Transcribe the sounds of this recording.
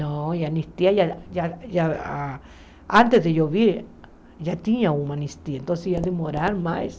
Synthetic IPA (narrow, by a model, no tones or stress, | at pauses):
nõjanĩst̪iajajaja | ant̪esðejoβiɾ | jat̪iɲãumãnĩst̪ient̪onsejad̪emoɾaɾmãjs